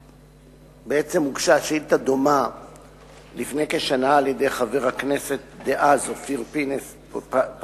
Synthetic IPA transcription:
beet͡se̞muɡʃaʃilt̪ad̪oma | lifne̞jke̞ʃanaːlje̞d̪e̞jχave̞ʁhakne̞se̞t̪̚d̪eʔazofiʁpines

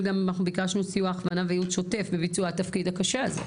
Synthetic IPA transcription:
ɡamanaχnubikaʃnusijuaːχvanavejudʃo̞te̞fbebit͡suat̪afkid̪hakaʃeazḛ

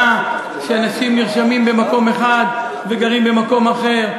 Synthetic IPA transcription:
a | ʃeanaʃimniʁʃamimbe̞mako̞me̞χad̪ | veɡaʁimbemako̞maχe̞ʁ

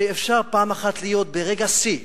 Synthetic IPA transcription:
eefʃaʁpaːmaχat̪lijo̞t̪̚be̞ʁeɡasi

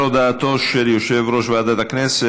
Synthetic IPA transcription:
od̪aːt̪o̞ʃeljoʃevɾo̞ʃvaad̪at̪aknese

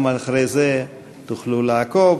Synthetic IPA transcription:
malχɾejze | t̪uχluleako

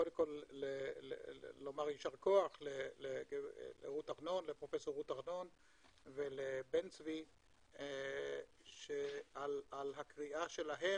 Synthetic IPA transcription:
kod̪emko̞lːelḛːo̞maʁjiʃaʁko̞aχleleelḛʁutaʁno̞nlepʁo̞feso̞ʁut̪aʁno̞n | velebent͡svi | ʃealalɦakʁiʔaʃelaɦe̞

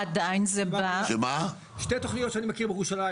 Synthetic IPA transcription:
ad̪ajinzɛbaema | ʃtejt̪oχnijotʃeanimakiʁbejeʁuʃala

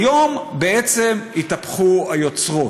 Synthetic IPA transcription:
jo̞mbe̞et͡se̞mit̪apχuajo̞t͡sʁo̞

